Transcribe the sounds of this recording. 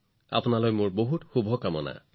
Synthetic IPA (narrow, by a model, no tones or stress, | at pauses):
a̰pʊnalojmʊɹboɦutxubʱɔkamɔna̰